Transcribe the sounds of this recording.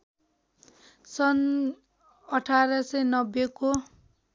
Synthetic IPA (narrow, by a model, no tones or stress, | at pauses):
sʌn | ʌʈʰaɾʌsʌjnʌbjeko